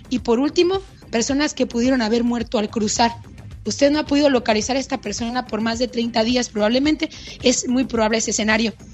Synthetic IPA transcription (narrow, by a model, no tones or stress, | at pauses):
ipo̞ɾult̪imo̞ | pe̞ɾso̞naske̞puðje̞ɾo̞naβe̞ɾmwe̞ɾt̪o̞alkɾusaɾ | ust̪eðno̞apo̞ðiðo̞lo̞kalisaɾae̞st̪ape̞ɾso̞napo̞ɾmazðe̞t̪ɾe̞jnt̪aðiaspɾoβaβle̞mẽnt̪e̞ | e̞zmujpɾo̞βaβleesese̞naɾjo̞